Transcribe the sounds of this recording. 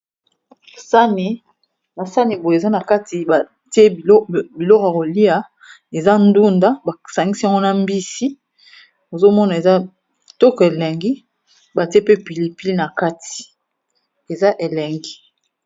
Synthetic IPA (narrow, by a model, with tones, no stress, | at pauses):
sa˦ni˨ | ba˨sa˦ni˨bo˨e˨za˦na˨ka˦ti˨a˨ | ti˦e˦˨˦bi˨lɔ˦ka˨ko˨li˦a˨ | e˨za˦n˦du˦nda˦ba˨sa˨ŋɡi˦sa˦ŋɡo˦na˦˨m˦bi˦si˦ | o˨zo˦mɔ˦na˨e˨za˦ | tɔ˦kɔ˨e˨lɛ˨ŋɡi˦ | ba˨ti˦e˦pe˦pi˨li˨pi˦li˦na˨ka˦tʰi̥˨ | e˨za˦ʔe˨lɛ˨ŋɡi˦